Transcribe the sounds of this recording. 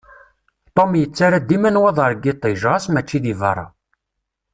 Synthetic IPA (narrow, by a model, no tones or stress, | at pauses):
t̪ˤomjət͡sːaɾad̪imænwæðˤəɾˤɡit̪ˤːiʒʁɑsmæt͡ʃːiðivɑ̰ɾˤɑ̰